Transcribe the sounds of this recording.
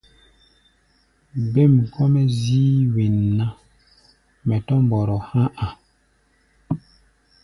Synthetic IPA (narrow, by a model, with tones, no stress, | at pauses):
be˦˨m˨kʰɔ˦mɛ˦ziː˦we˨nːa˦ | mɛ˨tɔ˦m˨bɔ˨ɾɔ˨hã˦ʔa˨